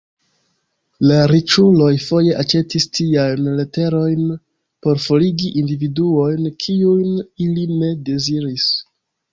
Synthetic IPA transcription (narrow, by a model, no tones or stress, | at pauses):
laɾit͡ʃulo̞jfo̞je̞ʔat͡ʃe̞tistiajnle̞te̞ɾo̞jn | po̞ɾfoliɡiʔindividuo̞jnkʰiujniline̞de̞ziɾis